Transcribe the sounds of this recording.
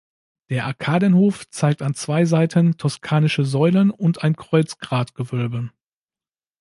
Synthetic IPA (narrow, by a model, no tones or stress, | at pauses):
d̥eːɐʔaɐkʰaːdənhoːft͡saɪk̚tant͡sv̥aɪzaɪtʰəntʰɔskʰaːnɪʃəzɔʏlənʊntaɪnkʁ̥ɔʏt͡sɡ̥ʁaːtɡ̥əvœlbə